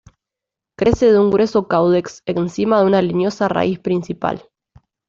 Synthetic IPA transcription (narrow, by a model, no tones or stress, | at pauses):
kɾʔe̞seðeuŋɡɾesokawðeksensimaðeunalinjo̞sara̰ʔispɾinsipa̰l